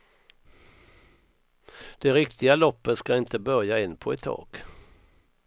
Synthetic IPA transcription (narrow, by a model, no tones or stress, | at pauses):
d̪̥ɛɾɪkt̪ɪɡalɔpːət̪skaɪnt̪əbœɾjaɪnːpʰɔɛt̪ʰːɑ̰ːɡ̥